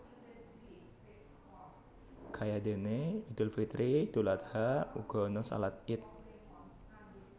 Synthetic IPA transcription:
kʰajad̪e̤neid̪ʊ̤lfit̪ɾid̪̥ulat̪̚hauɡ̥ɔ̤nɔsa̰lat̪ɪt̪̚

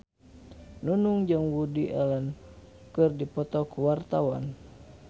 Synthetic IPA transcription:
nunuŋd͡ʒaŋwudiʔɛlən | kɨrdipɔt̪ɔkuwart̪awan

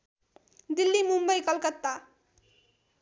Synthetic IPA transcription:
d̪ilːimumbʌjkʌlkʌt̪ːa

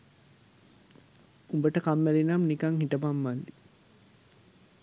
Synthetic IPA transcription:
umbəʈəkamːɛlinamnikaŋɦiʈɐbamːand̪i

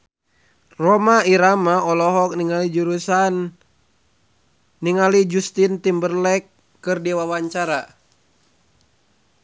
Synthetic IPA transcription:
rɔmaiɾamaɔlɔɦɔk̚niŋalid͡ʒuɾusan | iŋalid͡ʒust̪int̪imbərlɛkː | ɨrdiwawaɲt͡ʃaɾa

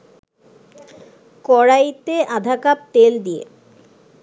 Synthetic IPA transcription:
kɔɽajt̪eʔad̪ʱakap̚t̪eld̪ijḛ

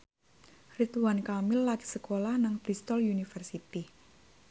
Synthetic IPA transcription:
rit̪uwankamɪlːak̪i̥səkolahnaŋpɾist̪ɔljunifərsit̪i

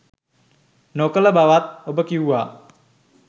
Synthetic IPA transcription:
nokələbawat̪̚obəkiuwa

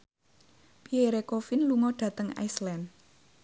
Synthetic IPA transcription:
pieɾekofɪnluŋɔɖ̥ä̤t̪əŋa̰islɛn

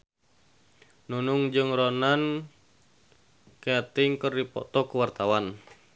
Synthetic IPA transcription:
nunuŋd͡ʒɨŋɾɔnan | kɛt̪iŋkərdipɔ̰t̪ɔkuwart̪awan

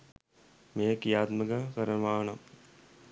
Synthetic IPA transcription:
meːkijaːt̪məɡəkəɾənʋaːnɐ

